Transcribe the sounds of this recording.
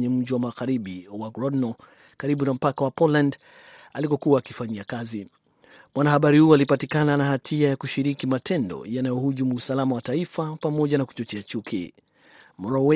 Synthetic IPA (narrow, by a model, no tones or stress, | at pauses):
ɲɛm̩d͡ʒiwamaɣaɾiɓiwaɡɾɔdnɔ | kaɾiɓunam̩pakawapɔland | alipɔkuaːkifaɲiakazi | mwanahaɓaɾihuɔalipatikananahatʰiajakuʃiɾikimatʰɛndɔ̰janajɔhuʄumuːsalamawataifapamɔʄanaku̥t͡ʃɔt͡ʃɛat͡ʃukʰḭ | mɾɔw